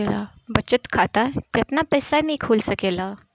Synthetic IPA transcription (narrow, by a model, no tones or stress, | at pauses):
ela̰ | bət͡ɕət̪kʰat̪at̪jɛt̪napəjsamiːkʰulsəkela